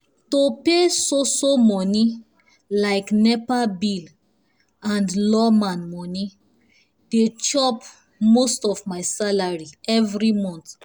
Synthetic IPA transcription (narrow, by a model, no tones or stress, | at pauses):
topesosomɔni | laɪknɛpabil | ãndlɔmãnmɔni | det͡ʃɔp | mostɔvmaɪsalaɹiɛvɹimɔ̃nt